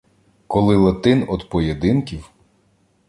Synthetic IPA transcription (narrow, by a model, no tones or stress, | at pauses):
kɔlˠɪlˠɐt̪ɪnɔd̪pɔjed̪ɪnkʲiw